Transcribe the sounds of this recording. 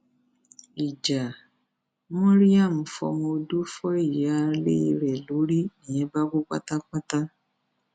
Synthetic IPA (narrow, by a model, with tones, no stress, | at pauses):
i˨d͡ʒa˨ | mɔ̃˦ɾi˦a˦˨m̩˨fɔ̰˧mõ˧du˦fɔ˦i˦˨ja˦lḛ˦i˧ɾɛ˨lo˨˦ɾi˦nĩ˨ɛ˨˦ba˦ko˦ka̰˦ta˦k͡pa˦ta˦